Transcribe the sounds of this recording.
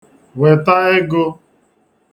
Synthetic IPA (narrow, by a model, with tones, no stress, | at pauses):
we˨ta˦e˦ɡo˦